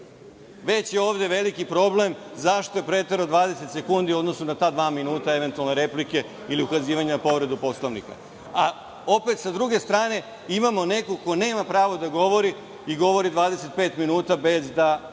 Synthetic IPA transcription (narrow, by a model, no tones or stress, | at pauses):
ʋe̞t͡ɕjeo̞ːʋd̪e̞ʋe̞likipɾo̞ble̞mzaʃt̪o̞epɾe̞t̪eɾod̪ʋaːd̪e̞set̪se̞kund̪io̞d̪no̞sunat̪aːd̪ʋaːminuːt̪aeʋe̞nt̪ualneɾe̞plike̞ | iliukaziːʋaɲenapo̞ʋɾe̞d̪upo̞slˠoʋnḭka̰ | a | o̞pet̪sad̪ɾuɡe̞st̪ɾaːne̞ | imamo̞ne̞koko̞ne̞ːmapɾaːʋo̞d̪aɡo̞ʋo̞ɾi | iɡo̞ʋo̞ɾid̪ʋaːd̪e̞se̞t̪̚pe̞ːt̪minuːt̪abe̞zd̪a